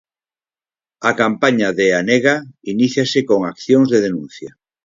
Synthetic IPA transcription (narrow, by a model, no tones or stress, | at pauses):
akampaɲaðeaneɣainiθjasekoŋakθjoŋzðeð̞enũn̟θja